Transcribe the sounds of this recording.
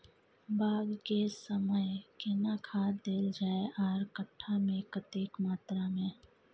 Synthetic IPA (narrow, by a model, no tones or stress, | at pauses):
baːɡkesəməjkɪnakʰaːd̪eːld͡ʒaːeʔaːɾkəʈʰːamẽkət̪eːkmaːt̪ɾamẽː